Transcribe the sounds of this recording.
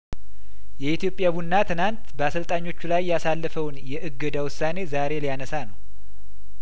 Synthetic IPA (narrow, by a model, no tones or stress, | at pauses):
jɛit̪ijo̞pʼːjaβunːat̪ʰɨnant̪bəasɨlt̪ʼaɲːo̞t͡ʃːulajːasalːəfəwnjɛʔɨɡːəd̪awʊsːane̞zaɾe̞lijanəsanəw